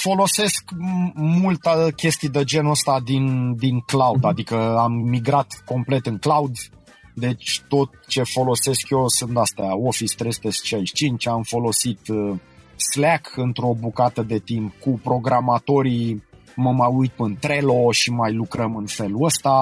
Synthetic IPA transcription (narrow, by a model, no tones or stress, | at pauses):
fo̞lo̞se̞skmult̪əkʲe̞st̪ijd̪ed͡ʒe̞nəst̪ad̪ind̪iŋklaud̪ad̪ikəamːiɡɾat̪ko̞mple̞t̪ɨŋklaud̪ | d̪e̞t͡ʃʲt̪o̞t̪̚t͡ʃe̞fo̞lo̞se̞skjosɨnt̪ast̪eaofist̪ɾest̪est͡ʃelt͡ʃt͡ʃint͡ʃamfo̞lo̞sit̪ | slakɨnt̪ɾo̞bukat̪əd̪e̞t̪impkupɾo̞ɡɾamat̪o̞ɾi | məmajujt̪̚pəɨnt̪ɾe̞lo̞ʃimajlukɾəmɨnfe̞luəst̪a